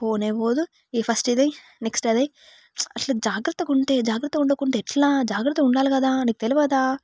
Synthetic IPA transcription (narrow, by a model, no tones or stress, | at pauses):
poːneːʋoːd̪u | ipʰɐsʈid̪ej | neksʈɐd̪ɐj | ɐʈlɐd͡ʒaːɡɾɐt̪ːɐkuɳʈe̞ːd͡ʒaːɡɾɐt̪ːɐkuɳɖɐkuɳʈeɛʈlaːd͡ʒaːɡɾɐt̪ːɐuɳɖaːlikɐd̪aːniːk̚ut̪eliʋɐd̪aː